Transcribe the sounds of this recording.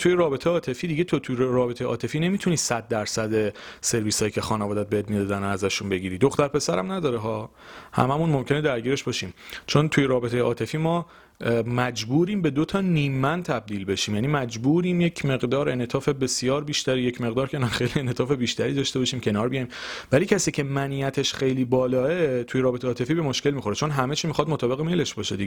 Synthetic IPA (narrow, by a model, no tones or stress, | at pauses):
t̪ʰujeɾɒːbet̪ʰejeɒːt̪ʰe̞fiːd̪iɟet̪ʰot̪ʰuɾɒːbet̪ʰejeʔɒːt̪ʰe̞fiːne̞miːt̪ʰuniːsæd̪̚ːæɾsæd̪e̞se̞ɾviːsɒːjiːcʰe̞xɒːnevɒːd̪æt̪̚beet̪mid̪ɒd̪ænoæzæʃunbe̞ɟiːɾiːd̪o̞xt̪æɾpʰe̞sæɾæ̰mnæd̪ɒːɾeɦɒː | hæ̰mæmunmo̞mcʲʰe̞ned̪æɾɟiːɾeʃbɒːʃiːmt͡ʃʰo̞nt̪ʰujeɾɒːbe̞t̪ʰe̞jeʔɒːt̪ʰe̞fiːmɒː | mæd͡ʒbuːɾiːmbe̞d̪ot̪ʰɒːniːmːændt̪ʰæb̚d̪iːlbe̞ʃiːmjæniːmæd͡ʒbuːɾiːmjecʰme̞ɣd̪ɒːɾenet̪ʰɒːfe̞be̞sjɒːɾbiːʃt̪æɾijecʰmeɣd̪ɒːɾcʰenæxejlienet̪ʰɒːfe̞biːʃt̪ʰæɾiːd̪ɒʃt̪e̞bɒʃiːmcʰe̞nɒːɾbijɒjimvæliːcʰæsiːcʰe̞mæniːæt̪ʰeʃxe̞jliːbɒːlɒːet̪ʰujeɾɒːbet̪ʰeɒːt̪ʰe̞fiːbe̞moʃkʲe̞lmixo̞ɾet͡ʃʰo̞nɦæmet͡ʃʰiːmixɒd̪mot̪ʰɒːbe̞ɣemele̞ʃbɒːʃed̪iɡe